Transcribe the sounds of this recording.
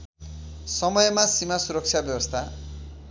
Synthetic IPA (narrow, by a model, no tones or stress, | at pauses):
sʌmʌjemasimasuɾʌk̚t͡ʃt͡sʰjabjʌbʌst̪ʰa